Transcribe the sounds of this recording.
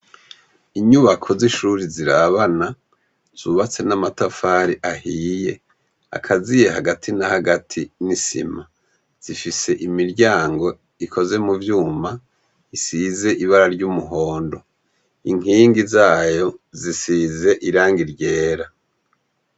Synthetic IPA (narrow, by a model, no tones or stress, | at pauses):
iɲuβakʰo̞ziʃuɾiziɾaβana | z̥uβat͡se̞namatafaːɾiʔahiːje̞ | a̰kʰazijeɦaɡatʰinahaɡatʰinisḭma | z̥ifise̞ʔimiɾɟaːŋɡo̞ | ikʰo̞ze̞muvjuːma | isize̞ʔiβaɾaɾɟumuɦo̞ːndo̞ | iŋiːŋɡizaːjo̞zisize̞ʔiɾaːŋɡiɾɟeːɾa